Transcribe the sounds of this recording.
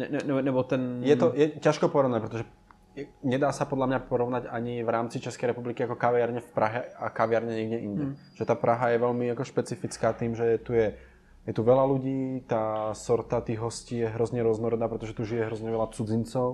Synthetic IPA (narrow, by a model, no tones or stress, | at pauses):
ɛɛɛnɛbɔt̪ɛnjɛt̪ɔjɛcaʃkɔpɔɾɔʊnac̚pɾɛt̪ɔʒɛ | jɛɲɛd̪aːsapɔd̪ʎamɲapɔɾɔʋnaɟaɲivɾaːmt͡sit͡ʃɛskɛjɾɛpublikiakɔkaʋɪaɾɲɛfpɾʔaɦɛakaʋɪaɾɲɛɲɛɡɟɛʔiɲɟɛ | ʒ̥ɛt̪aːpɾʔaɦajɛʋɛʎmiakɔʃpɛt͡sifit͡skaːt̪iːmʒɛt̪ujɛ | jɛt̪uʋɛlaluɟiːt̪aːsɔɾt̪at̪iːɣɦɔsciːjɛɦɾɔzɲɛɾʊɔznɔɾɔd̪aːpɾɛt̪ɔʒɛt̪uʒijɛɦɾɔzɲɛʋɛlat͡sud͡zint͡sɔʊ